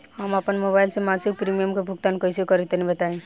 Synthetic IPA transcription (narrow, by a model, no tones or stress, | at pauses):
ɦamapənmobajlsemasik̚pɾimijəmkebʱuɡt̪ankəjsekəɾit̪enibət̪aĩ